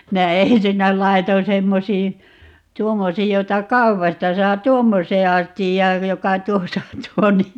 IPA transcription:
minæ ensinːæ lɑiton semːosiː tuomːosiːj jotɑ kɑupɑstɑ sɑː tuomːosˑeː ɑstijːɑːj jokɑ tuosɑ on tuo niː

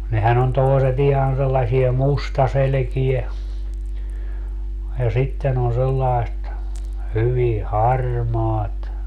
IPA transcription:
nehæn on toˑiset ihɑn selːɑsiɛ mustɑselĕkie jɑ sitːen on selːɑi̯st hyʋi hɑrmɑːt

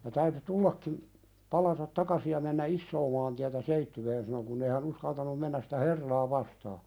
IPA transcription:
jɑ tæyty tulːɑkːim pɑlɑtɑt tɑkɑsi jɑ menːæ isːoː mɑːntiætæ seitːyweːn sɑno kunː ei hæn uskɑltɑnum menːæs si̥tæ herːɑː ʋɑstɑː

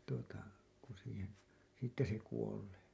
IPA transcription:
tuotɑ ku siːhen siːtːæ se kuoleː

